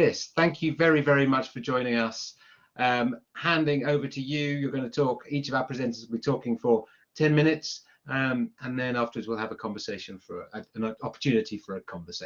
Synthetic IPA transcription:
ðɪsθæ̃ŋkʰjɨvɛɹivɛɹimʌt͡ʃfə˞d͡ʒɔ̃ɪ̃ñɪ̃ŋʌs | ʔʌ̃mhæ̃ndɪ̃ŋoʊvətʰɨjɨjə˞ɡʌ̃nətʰɔˑkiˑt͡ʃəvaʊəpʰɹ̥ɨzɛ̃ntəsl̩ˠbitʰɔˑkɪ̃ŋfə | tʰɛ̃nmɪ̃ñɪts | ʌ̃mə̃nðɨ̃nɑftəwədzwilˠəvəkʰɑ̃ɱvəseɪʃə̃nfə˞əə̃nɒpə̥tʰʉːnɨtʰifə˞əkʰɒ̃ɱvəseɪ

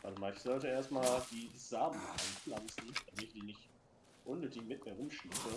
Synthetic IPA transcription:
ʔadmaɪçz̥ɔltəʔeːɐstmaːld̥iːz̥aːbn̩ʔa̰ɪnflant͡sn̩amɪçd̥iːnɪçt | ʔʊnːøːtlɪçmɪtmiːɐʁʊmʃiːsə

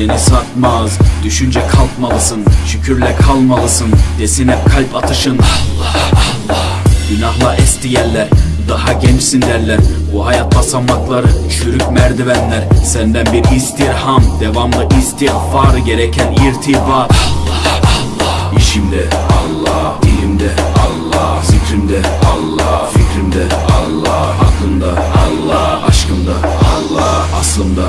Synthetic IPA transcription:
enisnat̪mazd̪yʃynd͡ʒɛkʰalˠt̪malˠɯsɯnʃycʰyɾlʲɛkʰalˠmalˠɯsɯnd̪̥esinɛkʰalʲpat̪ʰɯʃɯn | ɟ̥ynaɦlˠaʔɛst̪ʰijɛllːʲæɾd̪aɦaɟɛnt͡ʃsind̪æɾlʲæɾbuɦajat̪̚basamːaklˠaɾɯʃyɾykmæɾd̪ivænlʲæɾsɛnd̪ænbiɾist̪iɾhamd̪ɛvamlˠɯʔist̪ihvaɾɯɟeɾɛcʰɛniɾt̪ʰibaːɾ | iʃimd̪ɛɑlˠːɑ̥ | ilimd̪ɛɑlˠːɑzicɾind̪ɛɑlˠːɑficɾind̪ɛɑlˠːɑɑklˠɯnd̪aɑlˠːɑɑ̰ʃkɯnd̪aɑlˠːɑ | ɑslˠɯnd̪a

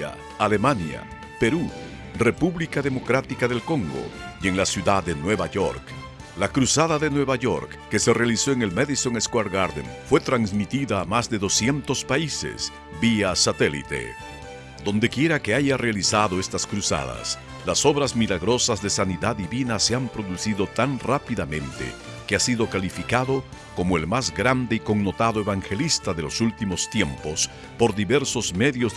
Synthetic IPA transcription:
a̰ | ale̞manja̰ | pe̞ɾu | re̞puβlikaðe̞mo̞kɾat̪ikaðe̞lko̞ŋɡo̞̰je̞ŋlasjuðaːe̞nwe̞βaʝo̞̰ɾk | lakɾusaðaðe̞nwe̞βaʝo̞ɾkːe̞se̞re̞aliso̞eŋe̞lmeðiso̞ŋeskwaɾɡaɾðḛnfwe̞t̪ɾansmit̪iðaːmazðe̞ðo̞sje̞nt̪o̞spaise̞̰s | biasat̪e̞lḭt̪e̞̰ | d̪o̞nd̪e̞kje̞ɾake̞aʝarealisaðo̞e̞st̪askɾusa̰ða̰s | laso̞βɾazmilaɣɾo̞sazðe̞saniðaðiβinase̞ampɾoðusiðo̞t̪anrapiðamẽ̞nt̪ḛ | keasiðo̞kalifikaðo̞ | ko̞moelmazɡɾand̪eiko̞ŋno̞t̪aðoe̞βaŋxe̞list̪aðe̞lo̞sult̪imo̞st̪je̞mpo̞s | po̞ɾðiβe̞ɾso̞zme̞ðjo̞z

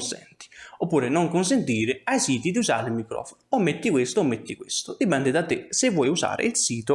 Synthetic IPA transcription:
nsɛ̰nt̪i̥opːuːɾɪnoŋkʊns̬ent̪iːɾɪajsiːt̪id̪iuza̰ːɾilmikɾɔ̰ːfonoomːet̪ːikwest̪ʊːmːet̪ːikwɪst̪ʊd̪ipɛnd̪ɪd̪at̪ːɪsɪvːɔːjuza̰ːɾɪ̰ilsiːt̪ʊ

